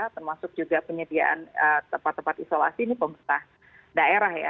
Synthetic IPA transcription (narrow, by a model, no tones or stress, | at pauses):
at̪ərmasʊk̚d͡ʒuɡapəɲədia̰ʔa̰nət̪əmpat̪ːəmpat̪isola̰sinipəmət̪ah | daeɾahja̰